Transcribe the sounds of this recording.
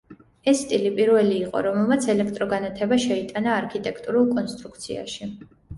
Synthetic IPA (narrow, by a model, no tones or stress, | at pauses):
ɛsːt̪ʼilipʼiɾvɛliːqʼɔ̰ɾɔmɛlˠmat̪sʰɛlɛk̚ʰt̪ʼɾɔɡanat̪ʰɛbaʃɛit̪ʼanaːɾkʰit̪ʼɛkʰt̪ʼuɾulˠkʼɔnst̪ʼɾukʰt̪sʰia̰ʃi